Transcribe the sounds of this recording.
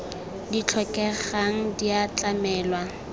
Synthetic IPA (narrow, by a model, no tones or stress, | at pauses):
dit͡ɬʰɔkʼɛχaŋ̩diat͡ɬʼamɛːlwa